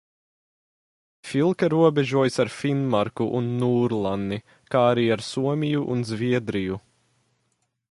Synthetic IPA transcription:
filˠkaɾuɔbɛʒuɔjsaɾfinmaɾkuʔunːuːɾlˠanːi | kaːaɾiːaɾsuɔmʲijuʔunzviɛd̪ɾiju

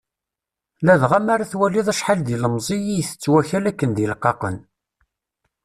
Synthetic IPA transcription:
læðʁamaɾaθwælːiðˤæʃħald̪iləmzˤijijθə̥t͡sːwæçælækːənd̪əlqːɑqə̰n

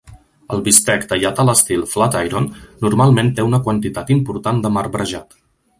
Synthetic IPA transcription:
ə̰lˠβist̪ɛkd̪əʎat̪ələst̪ilˠflat̪ajɾonːuɾmalˠment̪eunəkwənt̪it̪at̪impuɾt̪and̪əmaɾbɾəʒat̪

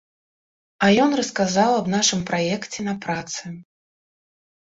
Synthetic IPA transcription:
ɐjɔnrɐskazawɐbnaʂɨmpɾʔajɛkt͡sʲɛnɐpɾat̪sɨ

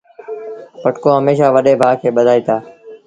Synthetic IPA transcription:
pəʈkoːɦəmeːʃaːʋəɗeːbʱaːkʰeːɓəd̪ʱaːiːt̪aː

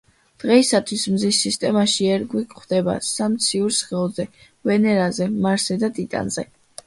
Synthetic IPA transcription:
d̪̥ʁɛisat̪ʰwismzisːist̪ʼɛmaʃiɛɾɡwikʼχwd̪ɛba̰samt̪sʰiuɾsχɛɔzɛ | vɛnɛɾazɛmaɾsɛd̪at̪ʼit̪ʼa̰nz̥ɛ̰

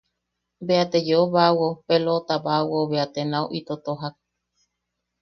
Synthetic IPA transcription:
beat̪ed͡ʒeoβawopelot̪aβawoβeat̪enãoʔit̪ot̪oɦak̚

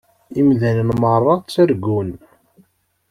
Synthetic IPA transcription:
imðænənmərˤːɑt͡sːæɾɡun

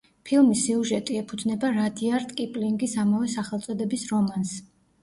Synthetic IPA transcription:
pʰilˠmisːiuʒɛt̪ʼiɛpʰud̪znɛbaɾad̪iaɾt̪ʼkʼipʼliŋɡisamavɛsaχɛlˠt̪sʼɔd̪ɛbisɾɔmans

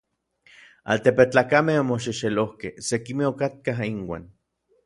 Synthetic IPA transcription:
a̰lt̪epet͡ɬaːkamehomoʃ̬iʃelohkehsekimeokat̪̚kaɦiŋwa̰ːn

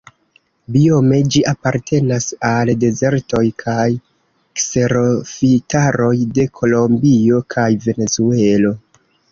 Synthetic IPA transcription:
bio̞me̞d͡ʒiʔapaɾtʰe̞nasalde̞ze̞ɾto̞jkʰaj | kse̞ɾo̞fitaɾo̞jde̞kʰo̞lo̞mbio̞kʰajve̞ne̞zue̞lo̞

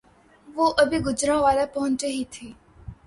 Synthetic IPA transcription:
ʋoːʔɐbʱiɡʊd͡ʒɾãːʋaːlapɐɦʊ̃ɲt͡ʃeɦit̪ʰiː

